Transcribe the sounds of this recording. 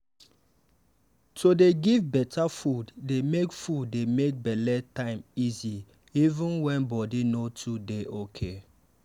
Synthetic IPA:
tʰodeɡivbɛtʰafuddemekfudːemek̚bɛlɛtãɪ̃mizi | ivũnwɛ̃nbɔdinotʰudeʔokʰe

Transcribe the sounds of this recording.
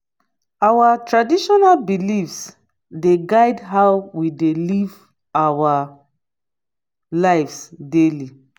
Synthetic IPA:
awatɹadiʃɔnalbilifs | deɡaɪdɦaʊwideliv | awa | laɪfsdeli

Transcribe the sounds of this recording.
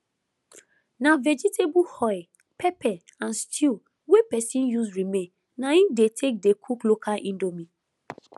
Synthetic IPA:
navɛd͡ʒitʰebuhɔj | pʰɛpɛ | ãnstʰi | wepɛsĩnjusɹimẽn | naĩfdetʰek̚dekʰuklokalʔĩndomĩ

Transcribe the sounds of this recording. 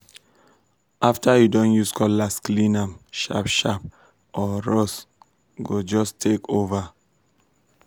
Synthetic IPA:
ʔaftajudõnjuskʰɔllasklĩnãmʃa̰pʃap | ʔɔɹos | ɡod͡ʒɔstʰekova

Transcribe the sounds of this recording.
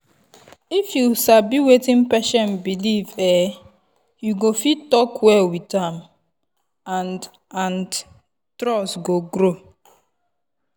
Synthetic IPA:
ifjusabiwetĩnpɛʃɔ̃nbilivɛ | juɡofittɔkwɛlwitãm | ãn | ãn | tɾɔsɡoɡɾo

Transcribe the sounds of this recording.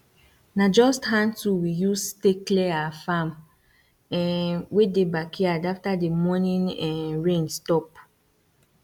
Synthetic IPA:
nad͡ʒɔstɦãntuwijusteklɛafam | ɛnwedebakʰiadaftademɔnĩnɛɹẽnstɔp

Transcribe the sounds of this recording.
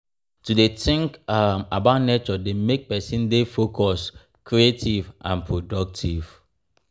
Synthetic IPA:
tudetɪ̃ŋkmabaʊtnet͡ʃɔdemek̚pɛsĩndefokʰɔs | kɹietivʔã̰npʰɹodɔk̚tʰiv̥

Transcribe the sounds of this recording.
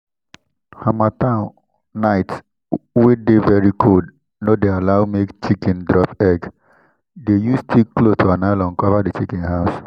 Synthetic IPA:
hamatãn | naɪt | wedevɛɹikʰod | nodealaʊmekt͡ʃikɛ̃ndɾɔpɛɡ | dejustʰikːlotʰoanaɪlɔ̃n̩kɔvadet͡ʃikɛ̃nhaʊs

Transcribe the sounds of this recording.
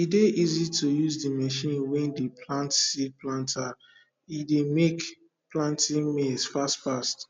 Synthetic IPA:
ideʔizitʰujuzdimɛʃĩnwɛ̃ndepʰlãntsidplãntʰa | idemek | plãntĩŋmesfastfast

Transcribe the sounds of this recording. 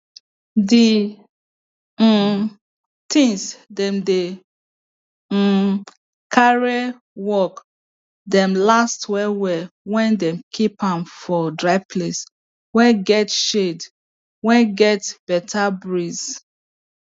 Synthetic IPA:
di | tʰĩŋsdɛ̃mde | kʰaɹe | wɔk | dɛ̃mlastwɛwɛwɛ̃ndɛ̃mkʰipãmfɔdɹaɪpʰles | wɛɡɛtʃed | wɛ̃ɡɛtb̥ɛtʰabɹiz

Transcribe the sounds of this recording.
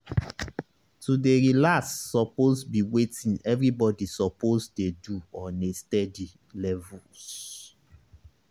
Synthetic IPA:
tudeɹilasːɔpozbiwetĩnɛvɹibɔdisɔpozdeduɔnestɛdi | lɛvu | s

